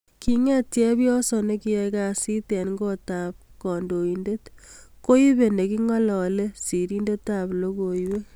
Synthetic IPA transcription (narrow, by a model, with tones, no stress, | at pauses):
ki˦ŋɛ˦tjɛ˦pjɔ˦so˨ne˦ki˦ɛ˧ka˨si˦tɛ˨nŋɡo˦ta˨p̚kɔ˨ndo˨i˨nde˦tko˦i˦βe˨ne˨ki˦ŋɔ˦lɔ˨le˦si˨ɾi˦nde˦ta˨plo˦ko˨jwe˦